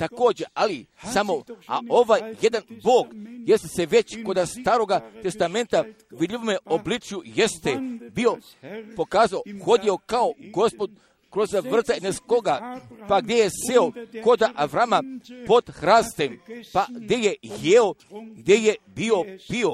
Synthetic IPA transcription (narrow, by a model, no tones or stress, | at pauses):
t̪ako̞ːd͡ʑe̞alisamo̞a̰o̞ʋajje̞d̪anboːɡjest̪eseʋe̞t͡ɕko̞d̪ast̪aːɾo̞ɡat̪e̞st̪ame̞nt̪a | ʋid̪ʎʲiʋomeoblit͡ʃjuje̞st̪ebio̞ | po̞kaːzaoxo̞d̪io̞kaoɡo̞spo̞d̪ | kɾozʋr̩t̪aneskoɡapaɡd̪jeje̞seoko̞d̪aʔaʋɾamapo̞d̪xɾaːst̪empaɡd̪je̞jejeoɡd̪je̞jebio̞b̥io̞